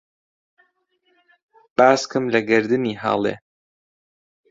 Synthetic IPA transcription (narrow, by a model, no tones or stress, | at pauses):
b̥aːskɨmlɐɡɨɾd̪ɨniːɦɑ̰ːlˠḛː